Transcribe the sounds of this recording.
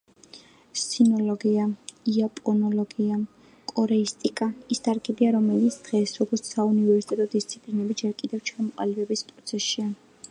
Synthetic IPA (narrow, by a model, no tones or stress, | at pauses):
sinɔlɔɡiaiapʼɔnɔlɔɡia | kʼɔɾɛist̪ʼikʼaisd̪ʰʼaɾkʰɛd̪iaɾɔmɛlit̪sʰd̪̥ʁɛsɾɔɡɔɾt̪saunivɛɾsi̥t̪ʼɛt̪ʼɔd̪ist̪sʰi̥pʼlinɛbid͡ʒɛɾkʼid̪ɛvt͡ʃʰamɔqʼa̰lɛbɛbispʼɾɔt̪sʰɛsia